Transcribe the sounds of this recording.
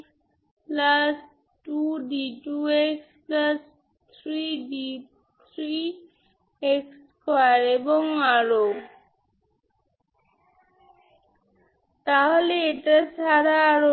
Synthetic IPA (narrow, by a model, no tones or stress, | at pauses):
plas | ʈuɖiʈueksplas | t̪ʰɾiɖi | t̪ʰɾi | eks | kajaɾeboŋaɾo | t̪aɦoleeʈaʃʰaɾaːɾo